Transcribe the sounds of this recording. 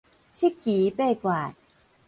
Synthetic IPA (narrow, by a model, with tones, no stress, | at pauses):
t͡ɕʰi˦˥kːiː˨˦pe˥˩˨kwaː˨˩t̚